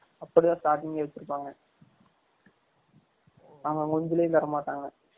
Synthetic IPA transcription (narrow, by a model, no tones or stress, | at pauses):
ɐpːɐɽit̪ãːsʈaːʈːɪŋɡɐʋɛt͡ʃːɪɾɯpːaːŋɡɐ | naːŋɡɐŋɔɲd͡ʒɯlɐjɪnd̪ɐɾɐmaːʈːaːŋɡɐ